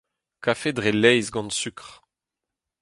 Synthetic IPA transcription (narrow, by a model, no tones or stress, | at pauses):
kafed̪ʁelɛjzɡɑ̃nsykʁ